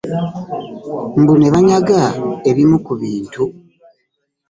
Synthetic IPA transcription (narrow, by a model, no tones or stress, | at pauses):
mbune̞βaɲaɡaeβimukuβiːntu